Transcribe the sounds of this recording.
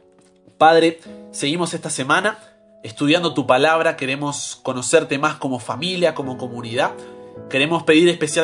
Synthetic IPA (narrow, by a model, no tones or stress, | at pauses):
pað̞ɾe̞se̞ɣimo̞se̞st̪ase̞mana | est̪uð̞jand̪ot̪upalaβ̞ɾake̞ɾe̞mo̞sko̞no̞seɾt̪e̞masko̞mo̞familjako̞mo̞ko̞muniðake̞ɾe̞mo̞spe̞ðiɾespe̞sja